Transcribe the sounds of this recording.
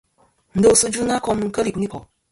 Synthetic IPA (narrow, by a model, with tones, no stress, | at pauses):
n̩˨də˦o˨su˦d͡ʒu˦na˦kɔ˦mɨ˦ŋ̩˦kə˦ɾi˨ku˦ni˦kɔ˨